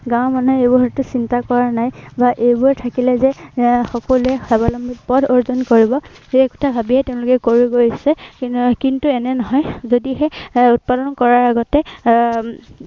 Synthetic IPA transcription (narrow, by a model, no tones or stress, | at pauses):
ɡãʊmanɔebʊɹɦɔtʊsintakɔɹanajbaʔejbʊɹɛtʰakilɛzɛxɔkɔluɛxabalɔmbipɔdoɹzɔnkoɹibɔkɔ̥tʰabʱabiɦɛtɛʊ̃lʊkɛkoɹuɡojsɛkintuɛnɛnɔɦɔjzodiɦɛut̚padɔnkɔɹaɹaɡɔtɛ